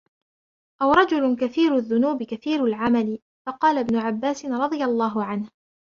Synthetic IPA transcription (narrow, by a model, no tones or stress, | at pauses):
ʔawɾˤɑd͡ʒʊlʊkaθiːɾaðːʊnuːbɪkaθiːɾalʕamalɪ | fɑqɑːlabnʊʕabːaːsɪnɾˤɑd̪ˤɨjalˤːɑːɦʊʕanh